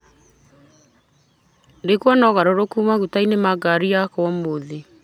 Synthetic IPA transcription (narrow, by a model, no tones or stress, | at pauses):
dekwɔnɔɣaɾoɾokuːmaɣutainemaɡaɾijakwɔmoðe